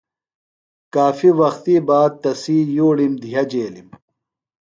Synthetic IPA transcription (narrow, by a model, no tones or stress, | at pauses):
kaːfiwɐxt̪iːbaːd̪̚t̪ɐsiːjoːɽimd̪ijɐd͡ʑeːlḭm